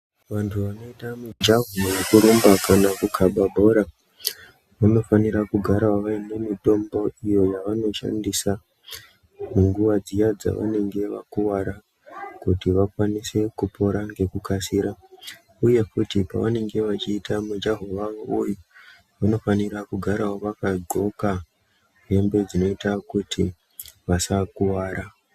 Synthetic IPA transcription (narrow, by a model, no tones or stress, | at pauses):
ʋantʰuʋano̞itamud͡ʒaɦowekuɾumbakanakukʰaɓabʱo̞ɾa | ʋano̞faniɾakuɡʱaɾawaʋainemito̞mbo̞ijo̞jaʋano̞ʃa̰ndisa | muŋɡuʋad͡zijad͡za̰ʋa̰ne̞ŋɡe̞ʋa̰kuwaɾa | kutiʋakwanise̞kupo̞ɾaŋɡe̞kukasiɾa | uje̞kutipa̰ʋane̞ŋɡe̞ʋat͡ʃiːtamud͡ʒeɦo̞ʋauju | ʋano̞faniɾakuɡʱaɾawoʋakad͡zo̞ka | ɦe̞mbe̞d͡zino̞itakutʰi | ʋasakuwaːɾa